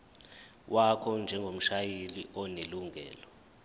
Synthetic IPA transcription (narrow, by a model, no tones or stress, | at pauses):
wʔakʰɔnd͡ʒʱɛŋɡʱom̩ʃajeliʔɔneluŋɡʱɛ̰ːlɔ